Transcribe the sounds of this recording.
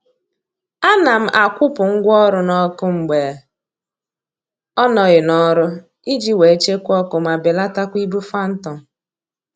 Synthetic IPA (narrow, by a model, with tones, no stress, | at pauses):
a˦na˨m̩˦ʔa˨kʷʊ˦pʊ˨ŋ̩˦ɡʷɔ˦ɾʊ˦nɔ˦kʊ˦ŋ͡m̩˨ɡ͡be˨ | ɔ˦nɔ˨ɣɪ˨nɔ˦ɾʊ˦ | i˦d͡ʒi˦we˨e˦t͡ʃe˦kʷɔ˦kʊ˨ma˨bɪ˨la˦ta˦kʷi˦bu˦fa˦n̩˦tɔ˨